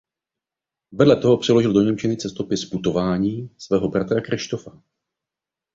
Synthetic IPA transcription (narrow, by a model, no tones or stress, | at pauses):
vɛdlɛt̪oɦo̞pr̥ɛlo̞ʒɪldo̞ɲɛmt͡ʃɪnɪt͡sɛst̪o̞pɪsput̪o̞vaːɲiːsvɛːɦo̞bɾat̪ɾakɾɪʃt̪o̞fa